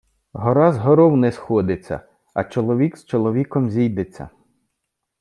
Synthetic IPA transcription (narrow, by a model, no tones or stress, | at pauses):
ɦɔɾɑzɦɔɾɔwnɛsxɔd̪ɪt͡sʲːɐ̰ | ɐt͡ʃɔlˠɔʋʲikst͡ʃɔlˠɔʋʲikɔmzʲijd̪et͡sʲːɐ̰